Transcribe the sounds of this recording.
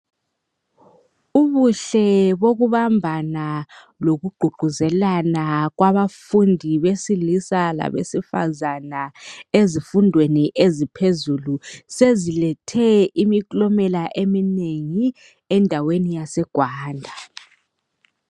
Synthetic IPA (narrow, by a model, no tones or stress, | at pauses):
uβuɬɛβoɣuβambʱana | loɣuɡ͡ǃʱuɡ͡ǃʱuzɛlanaɣwaβafundʱiβesilisala̰βḛsifa̰zanaezifundʱweniʔezipʰezulusezilɛtʰɛimikʼlɔmɛlaʔemineŋi | ɛndʱawenijasɛɡ̥ʱwaːndʱa